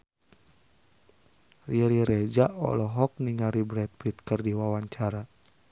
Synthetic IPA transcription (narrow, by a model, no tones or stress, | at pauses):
riɾiɾɛd͡ʒaɔ̰lɔɦɔk̚niŋaɾibɾɛt̪̚pit̪̚kɨrdiwawaɲt͡ʃaɾa